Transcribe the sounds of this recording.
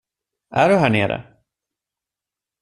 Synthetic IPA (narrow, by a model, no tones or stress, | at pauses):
ʔæɖɵɦæːɳeːɾə̰